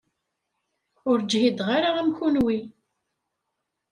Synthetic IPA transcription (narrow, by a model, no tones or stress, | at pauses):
ʊɾd͡ʒhid̪ʁaɾaæmçunwi